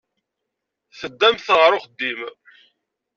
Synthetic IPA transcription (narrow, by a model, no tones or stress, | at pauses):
θəd̪ːæmθəʁɾˤoχəd̪ːim